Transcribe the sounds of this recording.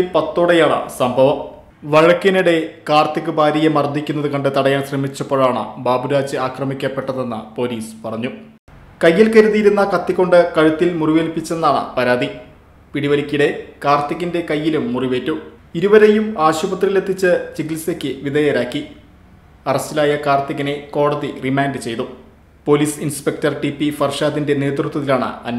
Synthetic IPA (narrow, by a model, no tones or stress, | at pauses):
lpɐt̪ːo̞ːɽejaːɳɨ̰sɐmbʱɐʋɐm | ʋɐɻɐkːɐniɽe̞kaːrt̪ikːɨbʱaːɾijemɐrd̪ʱːikʲːunːɐðɨkɐɳɖɨt̪ɐɽɐjaːnsrɐmit͡ɕːɐpːoːɻaːɳɨ̰baːbuɾaːd͡ʑɨaːkrɐmikʲːɐpːe̞ʈːɐðe̞nːɐ̰po̞ːliːspɐrɐɲːu | kɐjːilkɐɾuðiɾunːɐkɐt̪ːikːo̞ɳɖɨkɐɻut̪ːilmuriʋeːlpːit͡ɕːe̞nːaːɳɨ̰pɐɾaːd̪i | piɽiʋɐlikʲːiɽe̞kaːrt̪ːiɣinde̞kɐjːilumːuriʋe̞ːtːu | iɾuʋɐɾe̞jumaːɕubɐt̪rile̞t̪ʰːit͡ɕːɨt͡ɕiɡilsekʲːɨʋiðɐjɐɾaːkːi | ɐrɐstilaːjɐkaːrt̪iɣɐne̞ko̞ːɽɐðirimaːndɨt͡ɕe̞jt̪u | poːliːsinspe̞k̚tɐrʈipːifɐrʂaːðinde̞ne̞ːt̪rut̪ːwɐðilaːɳɨ̰ɐnː